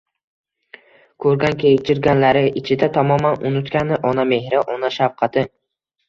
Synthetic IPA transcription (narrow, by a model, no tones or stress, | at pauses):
kʰɵɾɡʲankʰʲet͡ʃʰɪɾɡʲanlaɾɪʔɪt͡ʃʰɪd̪at̪ʰɒmɒmanʊnʊt̪kʲanɪʔɒname̞hɾɪʔɒnaʃafqʰɑt̪ʰɪ